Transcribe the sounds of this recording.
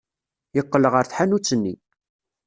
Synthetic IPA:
jəqːələʁəɾθħanut͡sːənːi

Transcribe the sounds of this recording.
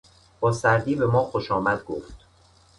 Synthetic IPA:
b̥ɒːsæɾd̪iːbe̞mɒːxoʃɒːmæd̪̚ɡoft̪

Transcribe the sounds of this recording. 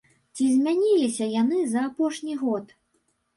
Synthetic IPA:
t͡sʲizʲmʲanʲilʲisʲɐjanɨzɐːpɔʂnʲiɣɔt̪

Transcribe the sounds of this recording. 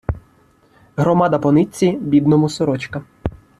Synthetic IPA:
ɦɾɔmɑd̪ɐpɔnɪt͡sʲːibʲid̪nɔmʊsɔɾɔt͡ʃkɐ

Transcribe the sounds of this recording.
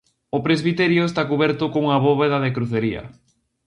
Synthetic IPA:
ʊpɾezβ̞it̪ɛɾjʊest̪akuβɛɾt̪ʊkoŋuŋɐβɔβeðɐðekɾuθeɾiɐ̰

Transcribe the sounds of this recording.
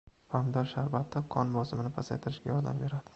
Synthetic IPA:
famd̪ɒɾʃaɾbat̪ʰːɪqʰɒnbɒsɪmɪnɪpʰasajt̪ʰɪɾɪʃɡʲajɒɾd̪a̰mbe̞ɾad̪̥ɪ̥

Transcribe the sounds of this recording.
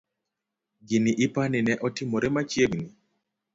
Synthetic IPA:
ɡiniʔɪpanɪnɛʔɔtɪmɔɾɛmat͡ʃjeɡni

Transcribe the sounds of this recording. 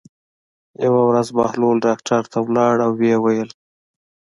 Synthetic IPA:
jawawɾazbɑhlolɖɑkʈʰaɾt̪ʰawlɑɽawːewajəl

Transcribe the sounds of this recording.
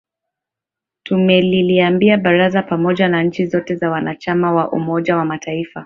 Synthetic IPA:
tumɛliliambiaɓaɾazapamɔʄanaɲ̩t͡ʃizɔtɛzawanat͡ʃamawaʔṵmɔʄawamatʰaifa

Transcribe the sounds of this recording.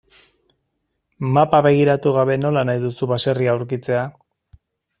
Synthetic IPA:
mapaβe̞ɣ̞iɾat̪uɣ̞aβe̞no̞lanajðusuβase̞riaːwɾkit͡se̞a

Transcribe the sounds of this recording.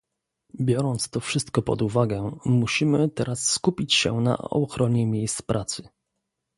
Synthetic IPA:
bʲjɔɾɔnt̪st̪ɔfʂɘst̪kɔpɔ̰d̪uvaɡɛmuɕimɘt̪ɛɾasːkupʲit͡ɕɕɛ̰na̰ɔ̰xɾɔɲɛmʲjejst̪spɾʔat̪sɘ

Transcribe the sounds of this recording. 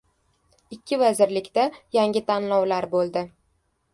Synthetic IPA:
ɪkʲʰːɪvazɪɾlɪkʲt̪ajaŋʲɪt̪ʰanlɒwlaɾbolˠd̪ɪ

